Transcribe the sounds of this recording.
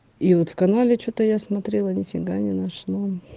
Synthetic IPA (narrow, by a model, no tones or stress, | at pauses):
ivot̪fkɐnalʲɪt͡ɕut̪əjasmɐt̪ɾʲelˠənʲɪfʲɪɡanʲɪnaʂno